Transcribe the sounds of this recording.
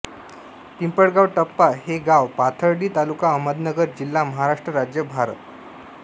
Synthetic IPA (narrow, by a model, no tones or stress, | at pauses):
pimpəɽɡawʈəpːaɦeɡawpat̪ʰəɾɽiːt̪alukaəməd̪nəɡəɾd͡ʑilːaməɦaɾaʂʈɾəɾad͡ʑjəbʱaɾə̰t̪